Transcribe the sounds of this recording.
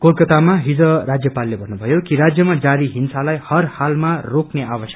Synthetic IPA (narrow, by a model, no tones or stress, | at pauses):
kolkʌt̪amaɦid͡zʌrad͡zjʌpalːebʱʌnːubʱʌjokiɾad͡zjʌmad͡zaɾiɦinsalajhʌrhalmarokneʔabʌsjʌ̥k